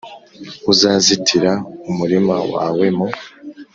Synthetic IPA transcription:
uzaːzitʰiɾaumuɾimawa̰ːwe̞mo

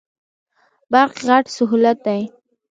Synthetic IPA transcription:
baɾqɣaʈsʊɦulat̪̚d̪aj

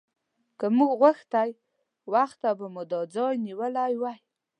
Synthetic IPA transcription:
kəmuɡɣwaxt̪aj | waxt̪abamʊd̪ɑd͡zɑjniwəlajwaj

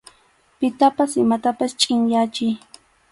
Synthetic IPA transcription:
pɪt̪apasɪmat̪apast͡ʃʼɪŋjat͡ʃɪj

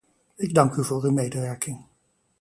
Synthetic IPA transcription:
ɪɡ̚dɑŋkyvʊːɹymejdəʋɛɹkɪŋ

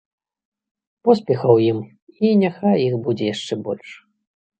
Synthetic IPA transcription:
pɔspʲɛxɐwjim | inʲaxajixbud͡zʲɛjaʂt͡ʂɛbɔ̰lʲʂ

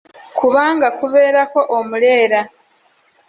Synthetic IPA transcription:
kʰuβaːŋɡakuβe̞ːɾako̞ʔomule̞ːɾa

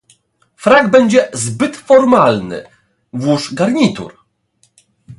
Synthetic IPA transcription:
fɾaɡbɛɲd͡ʑɛzbɘt̪fɔɾmalnɘ̰ | vwuʂɡaɾɲit̪ṵɾ

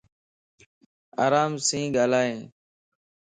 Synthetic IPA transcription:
aːɾaːmsĩːɡaːlaːɦẽː

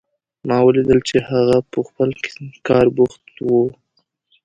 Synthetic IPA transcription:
mɑwəlid̪əlt͡ʃehaɣapəxpəlkkɑɾbʊxt̪wu

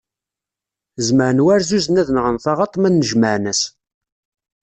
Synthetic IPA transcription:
zməʕnwæɾzuzənæðənəʁənθɑʁɑt̪ˤːmænːəʒməʕnæs

